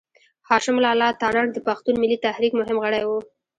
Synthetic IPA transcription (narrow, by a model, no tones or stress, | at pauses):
hɑʃɪmʊlɑlɑt̪ɑnɑɾd̪əpaxt̪unmɪlit̪ahɾikmʊɦɪmɣəɽajwu